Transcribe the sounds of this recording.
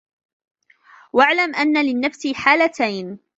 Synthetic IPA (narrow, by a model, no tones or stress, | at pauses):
waʕlamʔanːalɪnːafsiħaːlat̪ajn